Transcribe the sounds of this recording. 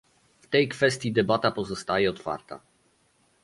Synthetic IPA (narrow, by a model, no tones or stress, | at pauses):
ft̪ɛjkfɛst̪ʲjid̪ɛbat̪apɔzɔst̪ajɛɔt̪fa̰ɾt̪a̰